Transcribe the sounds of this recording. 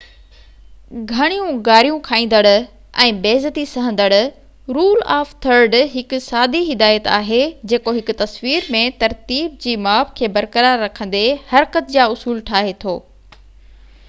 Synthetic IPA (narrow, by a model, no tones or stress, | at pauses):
ɡʱɐɽ̃ijũɡaːɾijũkʰaːĩːn̆d̪əɽʊ | ɛ̃ːbeːzət̪isɐɦə̃nd̪əɽ | ɾuːla̰ːft̪ʰɐɾɖɦɪkʊ̆saːd̪iɦɪd̪aːjət̪aːɦed͡ʑeːkoɦɪkʊ̆t̪ɐsʋiːɾmẽt̪ɐɾt̪iːb̚d͡ʑiːmaːbkʰeːbɐɾkəɾaːɾːɐkʰə̃n̆d̪ehɐɾkət̪̚d͡ʑaːʊsuːlʈʰaːɦet̪ʰoː